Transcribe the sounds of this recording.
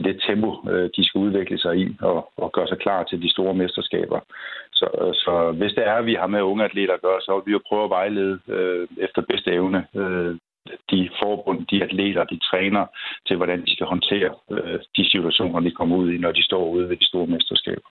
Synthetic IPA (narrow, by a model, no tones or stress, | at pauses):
d̥e̝d̥t͡sʰemb̥o̝ød̥isɡ̥æuð̞ˠʋeɡ̥ləsɑ̈ɪiɒ̽ɒɡ̥ɶɐsɑ̈ɪkʰlɑ̰̈ːt͡sʰe̝ld̥isd̥o̝ːɐmesd̥ɐsɡ̥ɛ̰ːb̥ɐsɒ̽sɒ̽ʋe̝sd̥eæɐʋiɦɑ̈meɔ̽ŋəæd̥le̝̰ːd̥ɐːɡ̥ɶːɐsɒ̽ʋijo̝pʰʁœːʊɐʋɑ̈ɪle̝ð̞ˠøefd̥ɐb̥esd̥əeʊnəø | d̥ifɒːb̥ɔ̽n̰̩ˠd̥iæd̥le̝̰ːd̥ɐd̥it͡sʰʁɛːnɐːt͡sʰe̝lʋɒɾ̥ænd̥isɡ̥æhɒ̽nt͡sʰe̝̰ːɐød̥isit͡sʰuæɕo̝̰ːnɐd̥ikʰɒ̽m̰ɐuð̞̰ˠinɒd̥isd̥ɒ̰ːuð̞̰ˠʋed̥isd̥o̝ːɐmesd̥ɐsɡ̥ɛ̰ːb̥ɐ